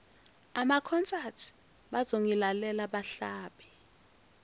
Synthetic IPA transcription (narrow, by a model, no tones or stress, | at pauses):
amakʰɔnt͡sʼatʰi̥ | ɓazoŋilalɛlaɓaɬaːɓɛ